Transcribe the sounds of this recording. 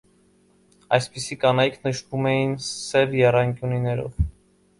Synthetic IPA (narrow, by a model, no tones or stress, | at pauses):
ɑjspisikɑnɑjkʰnəʃt̪umɛjinsɛvjɛrɑŋkjuninɛɾɔ̰v